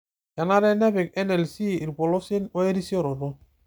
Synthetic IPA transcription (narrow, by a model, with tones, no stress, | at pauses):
ja˨na˦ɾɛ˦nɛ˦bɪ˨kɛ˦nɛ˨lsi˦i˨ɾbɔ˨lɔ˦si˦nɔ˦e˦ɾi˦si˦ɔ˦ɾɔ˨dɔ˦